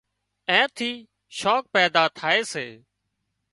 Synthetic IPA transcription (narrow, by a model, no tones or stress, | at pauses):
ɛ̃ːt̪ʰiː | ʃoːk̚pɛːd̪aːt̪ʰaːeːseː